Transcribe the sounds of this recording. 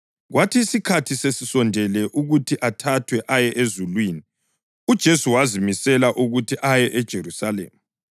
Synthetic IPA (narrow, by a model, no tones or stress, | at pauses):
ɣwʔatʰiːsikʰatʰisesisɔndʱɛlɛʔuɣutʰiʔatʰatʰwɛʔajɛʔezulwiːni | ud̥ʒ̥ʱesuwazimisɛlaʔuɣutʰiʔajɛʔɛd̥ʒ̥ʱeɾusalḛːmu